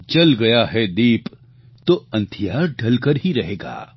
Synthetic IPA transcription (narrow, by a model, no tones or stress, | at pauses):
t͡ʃɐlɡɐjaɦɛd̪iːp | t̪oɐ̃nt̪ʰijaːɾɖʱɐlkəɾɦiɾɐɦeːɡa̰ː